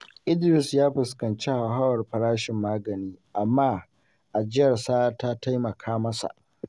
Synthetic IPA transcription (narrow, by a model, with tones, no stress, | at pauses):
ʔɪ˦dɪ˨sjaː˦ɸɪ˨skɐ˨nt͡ʃe˦ha˨ɦa˦wɐ˨rɸɐ˨ɾaː˦ʃɪ˨mːaː˦ɡɐ˨niː˦ʔa˨mːaː˦ | ʔa˨d͡ʒɪ˦jɐ˨rsaː˦ta˦ta˦jmɐ˨kʰaː˦mɐ˦sa̰˨ʔ